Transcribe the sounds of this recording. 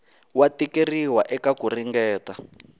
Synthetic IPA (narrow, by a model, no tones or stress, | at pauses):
watikeriwaʔɛkakuriŋɡɛːta